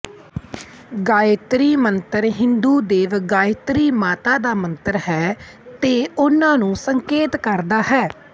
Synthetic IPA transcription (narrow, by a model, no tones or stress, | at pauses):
ɡaːt̪ɾiːmənt̪əɾɦɪ̃nd̪uːd̪eːʋɡaːɪt̪ɾiːmaːt̪aːd̪aːmə̃nt̪əɾɦɛː | t̪eːʊnãːnũːsəŋkeːt̪kəɾd̪aːɦɛː